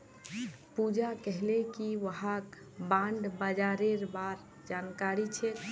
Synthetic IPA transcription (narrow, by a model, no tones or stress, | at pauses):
pud͡ʒakəɦlekiʋəɦak | bãɳɖbad͡ʒaɾeɾbaɾ | d͡ʒankaɾit͡ʃʰɛ